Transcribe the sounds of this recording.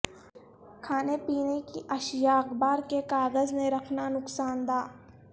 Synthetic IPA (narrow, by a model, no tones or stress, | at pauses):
kʰaːnepiːnekiʔɐʃjaːqbaːɾkekaːɣəznẽɾɐkʰnanʊksaːnd̪aː